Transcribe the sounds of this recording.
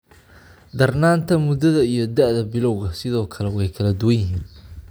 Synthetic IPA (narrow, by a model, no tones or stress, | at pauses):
d̪ɐrnaːnt̪ʰɐmʊd̪ɐðɐijɞd̪ɐʔðɐbɪlɔwɣɐsɪðɔːkʰɐlɛwɛjkʰɐlɐd̪ʊwɐnjɪɦiːn